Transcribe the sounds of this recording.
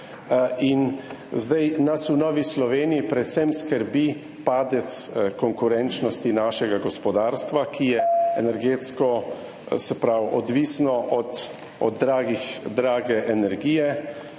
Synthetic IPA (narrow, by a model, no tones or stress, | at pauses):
inzd̪ajnasunɔːʋislɔʋeːnijipɾɛt̪sɛmskəɾbi | paːd̪ɛt̪skɔŋkʊɾɛnt͡ʃnɔst̪inaːʃɛɡaɡɔspɔd̪aːɾst̪ʋakijɛɛnɛɾɡeːt̪skɔ | sɛpɾawɔd̪ʋiːsnɔʔɔt̪ | ɔ̰d̪ɾaːɡixd̪ɾaːɡɛʔɛnɛɾɡiːjɛ